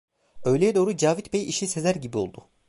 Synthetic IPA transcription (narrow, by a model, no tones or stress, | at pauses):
ø̞jlʲejɛd̪o̞ːɾud͡ʒaːvit̪bejiʃise̞zæɾɟibio̞lˠd̪u